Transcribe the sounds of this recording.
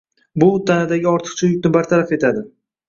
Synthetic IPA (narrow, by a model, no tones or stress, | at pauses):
bʊt̪ʰanɪd̪aɡʲɪɒɾt̪ʰɨ̥qt͡ʃʰajʊk̚ʲnɪbaɾt̪ʰaɾafe̞t̪ʰad̪ɪ